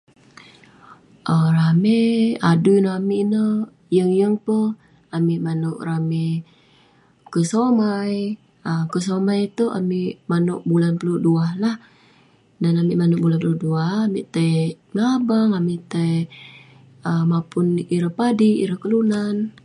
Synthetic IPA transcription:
ʔərameadujnamiʔnə | jəŋjəŋpə | amiʔmanoʔrame | kəsomaj | əkəsomajt̪ua̰miʔmanʊʔbulanpuluduahlah | danamiʔmanoʔbulanpuluduahamiʔt̪əj | ŋabaŋamiʔt̪əj | əmapʊniɾəhpadiḭɾəhkəlunan

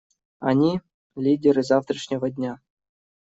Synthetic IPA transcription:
a̰nʲi | lʲidʲerɨzɑft̪rə̆ʂnʲĕvɤ̆d̪ʲnʲɑ

